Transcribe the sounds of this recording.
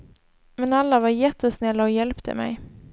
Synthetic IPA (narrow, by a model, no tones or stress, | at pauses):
mɛnalːavaɾjɛt̪ːəsnɛlːaɔjɛlpt̪ʰə̰mɛ̰j